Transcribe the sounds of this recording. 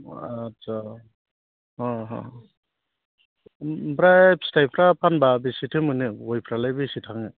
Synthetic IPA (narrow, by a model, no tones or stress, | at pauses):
at͡ʃa | haɦã̰ | bɾap̚stajpʰɾapʰanbabisitʰɯmɯnɯojpʰɾalajbisitʰaŋɯ